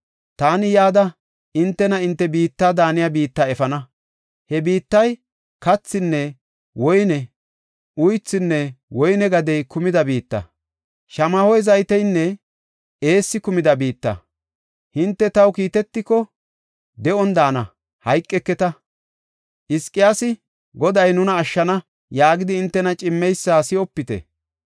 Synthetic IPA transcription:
t̪aːnɪjaːd̪ɐ | ʔɪnt̪ːɛnɐɪnt̪ːɛbiːt̪ːaːd̪aːnɪjabiːt̪ːaɛfɐnɐ | hɛbiːt̪ːɐj | kɐt͡sːɪnːɛ | wɔjnɛ | ʊjt͡sːɪnːɛwɔjnɛɡɐd̪ɛjkʊmɪd̪ɐbiːt̪ːɐ̰ | ʃɐmɐhɔjzɐjt̪ɛjnːɛ | eːsːɪkʊmɪd̪ɐbiːt̪ːɐ̰ | hɪnt̪ːɛt̪ɐwkiːt̪ɛt̪ːɪkɔ | d̪ɛɔnd̪aːnɐ | hɐjkʼːɛkːɛt̪ɐ | ʔɪskʼːɪjaːsɪ | ɡɔd̪ɐjnʊnɐːʃːɐnɐ | jaːɡɪd̪ɪːnt̪ːɛnɐt͡ʃʼɪmːɛjsːaːsɪɔpːɪt̪ɛ̰

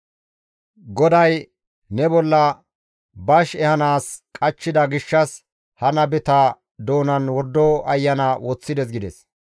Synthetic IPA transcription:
ɡɔd̪ɐj | nɛbɔlːɐ | bɐʃɛhɐnaːskʼɐt͡ʃːɪd̪ɐɡɪʃːɐs | hɐnɐbɪt̪ɐ | d̪o̞ːnɐnwɔɾd̪ːoɐjːɐnawɔt͡sːɪd̪ɛs̬ɡɪd̪ɛs

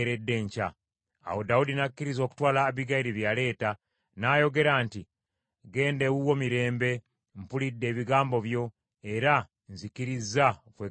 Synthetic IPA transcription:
ɾe̞dːe̞ɲca̰ː | wo̞daudinakːiɾizo̞ːku̥twaːlaβiɡajiɾiβjaːle̞ːta | naːjo̞ɡe̞ɾaːnti | ɡe̞ːnde̞wuwo̞miɾe̞ːmbe̞ | mpulidːe̞ːβiɡaːmbo̞βjo̞ | e̞ɾa | nzikiɾizakweː

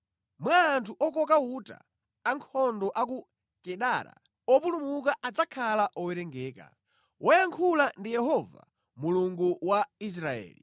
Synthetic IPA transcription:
mwaːntʰuʔɔk̬ɔk̬auta̰ | aŋkʰɔndɔʔak̬u | kɛɗaɾa̰ | ɔpulumukaʔad͡zakʰalaʔɔwɛɾɛŋɡɛːka̰ | wʔɔjaŋkʰulandijɛɦɔva̰ | muluŋɡuwais̬ɾaɛ̰ːli

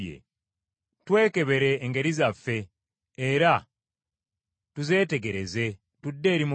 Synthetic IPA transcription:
ḛ | twe̞ːke̞βe̞ɾe̞ːŋɡe̞ɾizafːe̞ː | ɾa | tuze̞ːte̞ɡe̞ɾe̞ze̞ | tudːe̞ːɾimu

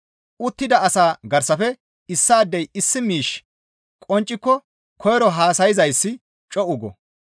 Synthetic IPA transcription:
ʊt̪ːɪd̪ɐɐsaːɡɐɾsɐfɛ | ɪsːaːd̪ːɛjɪsːɪmiːʃ | kʼɔnt͡ʃʼːɪkːɔ | kʰɔjɛɾɔɦaːsɐjɪzɐjsːɪ | t͡ʃʼɔʔʊɡɔ

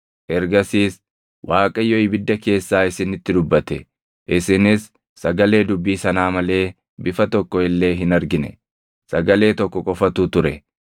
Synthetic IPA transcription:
ʔɛɾɡɐsiːs | wʔaːkʼɐjːɔɪbɪd̪ːɐke̞ːsːaːɪsɪnɪt̪ːɪd̪ʊbːɐt̪ɛ | ʔɪsɪnɪsː | ɐɡɐle̞ːd̪ʊbːiːsɐnaːmɐle̞ː | bɪfɐt̪ɔkːɔɪlːe̞ːɦɪnɐɾɡɪnɛ̰ | sɐɡɐle̞ːt̪ɔkːɔkʼɔfɐt̪uːt̪ʊɾɛ

